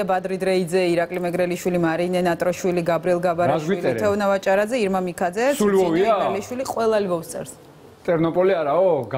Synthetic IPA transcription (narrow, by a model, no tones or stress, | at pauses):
bad̪ɾid̪ɾɛid̪zɛiɾakʼlimɛɡɾɛliʃwilimaɾinɛnat̪ʼɾɔʃwiliɡabɾiɛlˠɡabaɾaʃwiilʼɛt̪ʰɛɔnavat͡ʃʼaɾazɛiɾmamikʰad̪zɛsulɔiaɛliʃwiliqʼwɛlˠalvɔfst̪sʼɛ̰ɾs | t̪ʼɛɾnɔpʼɔliaɾaɔɡ